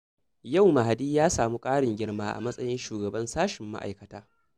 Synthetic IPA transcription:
ja˦˨wma˨ha˨diː˦jaː˦saː˨mu˦kʼaː˦ɽɪ˨ŋɡʲɪ˦ɽmaː˦ʔa̰˨mɐ˦sʼɐ˦jɪ˦nʃuː˨ɡɐ˨bɐ˦nsaː˦ʃɪ˨mːa̰˦ʔa̰˨jkɐ˨taː˦

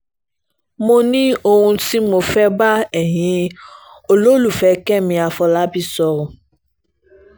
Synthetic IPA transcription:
mo˧nĩ˦o˧ɾũ˧si˦mo˧fɛ˦ba˦ɛ˨ɦĩ˨˦ | o˨lo˦lu˨fɛ˨˦kɛ˦mĩ˧a˧fɔ˧la˨˦bi˦sɔ˧ɾũ˧

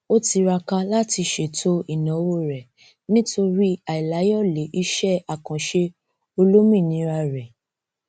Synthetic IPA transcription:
o˦ti˧ɾa˧ka˧la˦ti˧ʃe˨tʰo˦i˨nã˨˦wo˦ɾɛ˨ | nĩ˦to˧ɾi˦a˨i˨la˨˦jɔ˦˨le˨˦ʔi˧ʃɛ˦a˨kã˨ʃe˧ | o˧lo˦mĩ˦˨nĩ˨˦ɾa˧ɾɛ˨

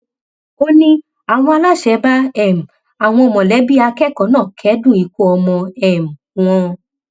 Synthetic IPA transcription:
o˦nĩ˦ | a˨w̃ɔ̃˧a˧la˦˨ʃɛ˨˦ba˦ɛ˦˨m̩˨ | a˨w̃ɔ̃˧ɔ˧˨mɔ̃˨lɛ˨˦bi˦a˧kɛ˦˨kɔ˨˧˦nãː˦˨kʰɛ˨˦dũ˦˨i˨ku˦ɔ˧mɔ̃˧ɛ˨m̩˨w̃ɔ̃˧

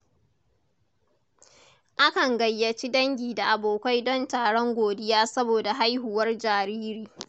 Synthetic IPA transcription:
ʔa˦kɐ˨ŋɡɐ˨jːɐ˨t͡ʃi˦dɐ˦ŋɡʲiː˨da˨ʔa˨boː˨kʷa˦jdɔ˦ntaː˨ɽɔ˦ŋɡʷoː˨dɪ˦jaː˦sɐ˦boː˨da˨ɦa˦jɦu˨wɐ˦rd͡ʒaː˨ɾiː˦ɾiː˨

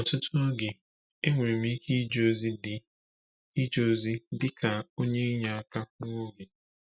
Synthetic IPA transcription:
ɔ˨tʊ˦tʊ˦ɡe˨ | e˦ŋʷe˨ɾe˨m̩˦i˦kʰi˦d͡ʒo˦˨zi˦dɪ˨ | i˦d͡ʒo˨zi˦dɪ˦ka˨o˦ɲe˦ɲa˨a˨ka˦o˦ɡe˨

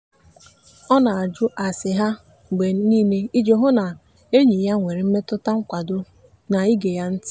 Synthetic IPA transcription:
ɔ˦na˨a˨d͡ʒʊ˦ʔa˨sɪ˨ɦa˦ | ɡ͡be˨˦niː˦ne˦i˦d͡ʒe˨ɦʊ˦na˨ | e˦ɲi˨ja˦ŋʷe˨ɾe˨m̩˦me˦tʊ˦ta˦ŋ̩˦kʷa˨dʊ˦ | na˨i˦ɡe˨ja˦n̩˦tɪ˦

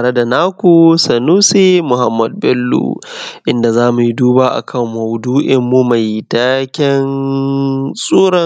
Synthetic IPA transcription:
a˨ɽe˦da˨naː˦kʷu˨sɐ˨nuː˦se˦mʊ˨ɦa˦mːɐ˨d̚bɛ˦lːṵ˨ʔɪ˦nda˨zaː˦mu˨ji˦duː˦baː˦ʔa̰˨kʰɐ˦mː˨a˨wduː˦ʔɪ˦mːu˦ma˨jtaː˦kʲɪ˦n | sʼuː˦ɽɐ˦˨

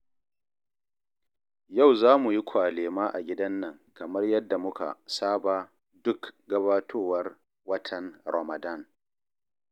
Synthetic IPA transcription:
ja˦˨wzaː˦mu˨ji˦kʷaː˨leː˨maː˦ʔa̰˨ɡʲɪ˦dɐ˦nːɐ˨ŋkɐ˨mɐ˦rjɐ˦dːa˨mʊ˦ka̰˨saː˦baː˨ | dʊ˦kɡɐ˦baː˦tʰoː˦wɐ˦r | wɐ˦tʰɐ˨nɾa˨mɐ˨da˦˨n

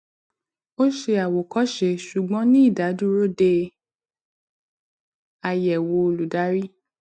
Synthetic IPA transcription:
o˦ʃe˧a˨wo˨kɔ˦ʃe˧˨ʃu˨ɡ͡bɔ̃˨˦nĩ˦i˦˨da˨˦du˦ɾo˦de˧ | a˧jɛ˨wo˧o˧lu˨da˨˦ɾi˦

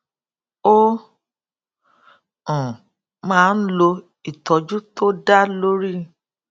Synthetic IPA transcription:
o˦ | ɔ̃˨ | mãː˦˧n̩˦lo˧ | i˨tɔ˨d͡ʒu˦to˦da˦lo˦ɾi˦

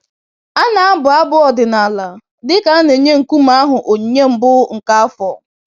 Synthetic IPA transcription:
a˦na˨a˦bʊ˨a˦bʊ˦ɔ˨dɪ˨na˨la˨ | dɪ˦ka˦ne˨ɲe˦ŋ̩˨ku˦m̩˦a˦ɦʊ˨ʔo˨ɲe˦m̩˨bʊ˦ŋ̩˨ka˦a˦fɔ˨

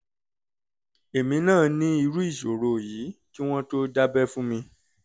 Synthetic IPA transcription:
e˨mĩ˨˧nãː˦˨nĩ˦i˧ɾu˦i˦˨ʃo˨ɾo˨ji˨˦ki˦w̃ɔ̃˦to˦da˦bɛ˦fũ˦mĩ˧

